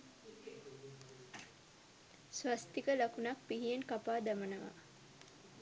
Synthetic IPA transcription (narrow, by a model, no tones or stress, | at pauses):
sʋast̪ikəlɐkunɐk̚piɦieŋkapaːd̪ɐmɐnɐʋa̰